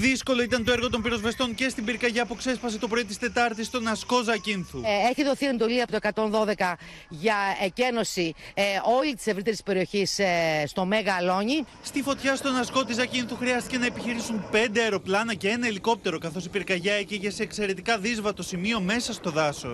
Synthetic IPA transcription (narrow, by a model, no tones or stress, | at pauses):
ðisko̞lo̞it̪ɐnt̪o̞eɾɣo̞t̪o̞mpiɾo̞zve̞st̪o̞ŋce̞st̪imbiɾkɐʝɐpuekse̞spɐse̞t̪o̞pɾoit̪ist̪e̞t̪ɐɾt̪ist̪o̞nɐsko̞zɐcinθueçiðo̞θie̞nd̪o̞liɐpot̪oekɐt̪o̞nðo̞ðe̞kɐ | ʝɐece̞no̞sio̞lit̪i̥sevɾit̪e̞ɾispe̞ɾio̞çisst̪o̞me̞ɣɐlo̞ɲi | st̪ifo̞t̪çɐst̪o̞nɐsko̞t̪izɐcinθuxɾiɐst̪ice̞nɐepiçiɾisunpe̞nd̪eɐɾo̞plɐnɐce̞enɐiliko̞p̚t̪e̞ɾo̞kɐθo̞sipiɾkɐʝɐeciʝese̞ːkse̞ɾe̞t̪ikɐðizvɐt̪o̞simio̞me̞sɐst̪o̞ðɐso̞̰